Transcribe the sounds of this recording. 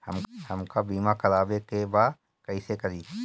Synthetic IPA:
həmhəmkabiːmakɐlaːbekebaːd̪ | kɐisekɐɾiː

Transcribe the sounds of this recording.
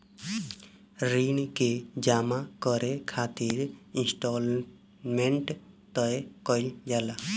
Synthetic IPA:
ɾinked͡ʒamakəɾekʰat̪iɾĩnsʈol | meɳʈ | t̪əjkəɪld͡ʒala

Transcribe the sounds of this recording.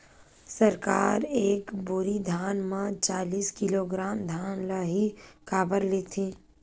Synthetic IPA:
səɾkaːɾeːkbʊɾid̪ʱjaːnmãt͡ʃaːliːskɪloːɡɾaːmd̪ʱaːnlaɦikaːbəɾleːt̪ʰĩː

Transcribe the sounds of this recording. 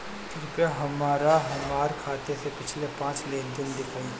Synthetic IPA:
t̪ʰɪɾpjaɦɐmːaːɾaɦɐmːaːɾkʰaːt̪esepɪt͡ʃʰlepãːt͡ʃleːnd̪ɪnd̪ɪkʰaĩ

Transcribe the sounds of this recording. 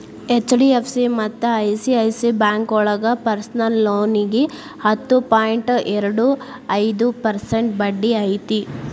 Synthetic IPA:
et͡ʃːɖiepʰsimɐt̪ːɐɐjsiɐjsibaːŋkɔɭɐɡɐpɐɾsnɐlːoːniɡe | hɐt̪ːupaːjɳʈɛɾɐɽu | ɐjd̪upɐɾseɳʈ̚bɐɖːiɐjt̪i

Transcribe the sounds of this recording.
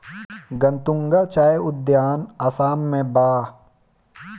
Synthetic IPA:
ɡə̃nt̪ʊ̃ŋɡat͡ʃaːeʊd̪jaːnasaːmːẽbaː

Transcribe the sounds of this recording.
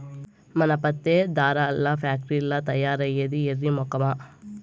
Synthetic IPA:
mɐnɐpɐt̪ːed̪aːɾɐːlːɐpʰaːk̚ʈɾiilːɐt̪ɐjːaːɾɐjɐd̪ieɾːimɔkɐma

